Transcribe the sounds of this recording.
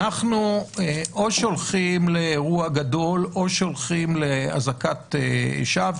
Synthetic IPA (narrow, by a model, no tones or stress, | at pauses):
aχnueʔo̞ʃo̞lχimleʁuaɡad̪o̞lʔo̞ʃo̞lχimlea̰zakat̪eḛʃav